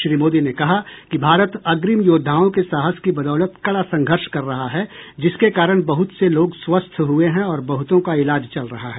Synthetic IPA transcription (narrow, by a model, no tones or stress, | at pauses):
ʃɾiːmoːd̪inekɐɦakibʱaːɾət̪ɐɡɾɪmjoːd̪ʱːaːõkesaːɦəskibɐd̪ɔːlət̪kɐɽasɐ̃ŋɡʱəɾʃkɐɾːɐɦaɦɛd͡ʒɪskekaːɾəɽ̃bɐɦʊt̪seloːɡswɐst̪ʰɦueɦɛ̃ɔːɾbɐɦʊt̪õkaɪlaːd͡ʒt͡ʃɐlɾɐɦaɦɛː